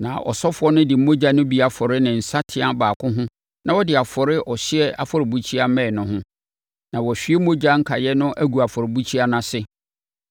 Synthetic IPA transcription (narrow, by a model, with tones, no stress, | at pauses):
nã̰˨ʔɔ̰˨sɔ˦fʊ˨˦ɔ˦nʊ̃˦dɪ˨˦mõ˦d͡ʑa˦nʊ̃˦bi˨˦a˨fɔ˨ɾɪ˦nɪ̃˨n̩˨sa˦tʰɪ˦ã˦baː˨kʰʊ̃˦ɦʊ̃˦ | nʔã˨wɔ˦dɪ˨a˨fɔ˨ɾɪ˦ʔɔ˨ɕɪ˦ɛ˦a˦fɔ˨ɾɪ˨bu˦t͡ɕʰi˦a˦mɛ̃˦˨nʊ̃˦ɦʊ̃˦ | nã˨wɔ˨ɕᶣi˦e˦mo˦d͡ʑa˦ŋ̩˦kʰa˨jɛ˦nʊ̃˦ʔæ˦ɡu˨a˨fɔ˨ɾɪ˨bu˦t͡ɕʰi˦a˦nã˨sɪ˦